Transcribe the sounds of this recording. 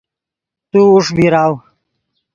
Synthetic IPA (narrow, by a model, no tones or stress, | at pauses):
t̪uːʂbiɾaːw